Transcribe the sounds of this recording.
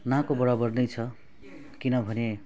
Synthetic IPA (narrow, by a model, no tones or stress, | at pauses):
nakobʌɽabʌrnejt͡sʰʌ | kinʌbʱʌne